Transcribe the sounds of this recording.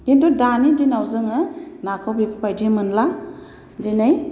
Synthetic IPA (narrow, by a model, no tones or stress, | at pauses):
kintudanidinawzɯŋɯnakʰawbipʰapajdimɯnla | dinaj